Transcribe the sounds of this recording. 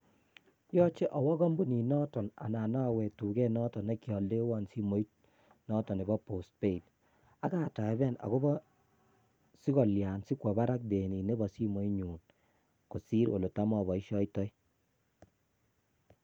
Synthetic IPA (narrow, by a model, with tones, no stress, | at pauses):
jɔ˦t͡ʃe˦ʔɔ˨wɔ˦ɣɔ˦mbu˦ni˨nɔ˦tɔ˨na̰˨na˨na˦˨wɛ˨tu˨ɡɛ˦nɔ˦tɔ˨ne˦kjɔ˨lde˦wɔ˦nsi˦mo˨i˦t̚ | nɔ˦tɔ˨ne˨bɔ˦po˨s̚pe˦i˨t | a˦ka˦˨ta˨˦bɛ˦˨na̰˨ko˦bɔ˦ | si˦kɔ˨lja˨nsi˦kwɔ˨ba˦ɾa˦k̚de˨ni˨ne˦bɔ˨si˦mo˨˦i˦ɲuː˨n | ko˨si˦ɾo̰˨lo˨ta˦mɔ˦˨βɔ˨i˦ʃɔ˦itɔ˦j